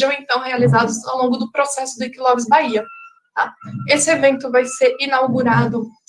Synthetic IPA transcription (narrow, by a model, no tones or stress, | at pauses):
ʒɐ̃w̃ẽnt̪ɐ̃w̃healizad̪ʊzawlõŋɡʊd̪ʊpɾosɛsʊd̪ekilɔbɾɪzbaiɐ | t̪aesɪevẽnt̪ʊvajseɾinawɡuɾad̪ʊ